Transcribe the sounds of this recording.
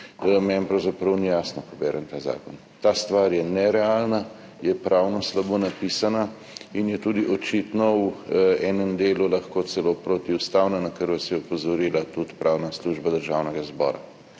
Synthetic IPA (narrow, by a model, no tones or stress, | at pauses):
mɛnpɾɐwzapɾɐwnijaːsnɔpɔbɛ̰ːɾʔɛnt̪aːza̰ːkɔn | t̪aːst̪ʋaːɾjɛnɛɾɛalna | jɛpɾʔawnɔslabonapiːsana | injɛt̪ud̪iʔɔt͡ʃit̪nɔ | ɛːnɛmd̪eːlulaxkoːsɛlopɾot̪iust̪awnanakəɾʋasiɔpɔzɔɾiːlat̪ut̪pɾʔaːwnasluʒbad̪əɾʒaːwnɛɡazbɔ̰ːɾa̰